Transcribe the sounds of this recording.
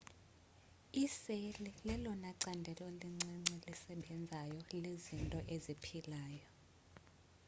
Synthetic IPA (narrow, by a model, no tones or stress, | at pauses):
iselilɛlɔnaǀandʱɛlɔliŋ͡ǀɛŋ͡ǀɛlisɛɓɛnd͡zʱajɔlezintʼɔʔezipʰilaːjɔ